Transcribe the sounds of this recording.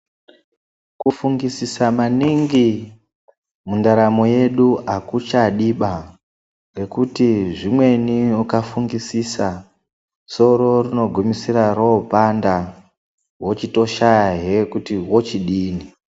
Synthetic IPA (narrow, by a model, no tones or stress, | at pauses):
kufuŋɡisisamaniŋɡi | mundaɾamoje̞ɗuakut͡ʃaɗiɓa | re̞kutiʐimwe̞niukafuŋɡisisa | so̞ɾo̞rino̞ɡʱumisiɾaroopanda | wot͡ʃito̞ʃajaɦekutiwo̞t͡ʃiɗiːni